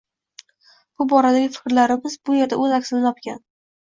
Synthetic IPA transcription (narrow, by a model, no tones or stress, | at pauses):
b̥ʊbɒɾad̪aɡʲɪfɪ̥kʲɾlaɾɪmɪzbʊje̞ɾd̪aʔɵzakʲsɪnɪɒpkʲan